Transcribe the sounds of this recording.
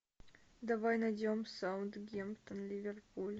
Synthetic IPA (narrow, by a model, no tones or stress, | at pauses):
d̪ɐvajnɐjdʲomsaʊnt̪ɡʲempt̪ənlʲɪvʲɪrpulʲ